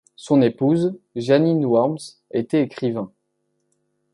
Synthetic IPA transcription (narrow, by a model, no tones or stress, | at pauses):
sɔ̃nepuzʒaninwɔʁms | et̪ɛekχivɛ̃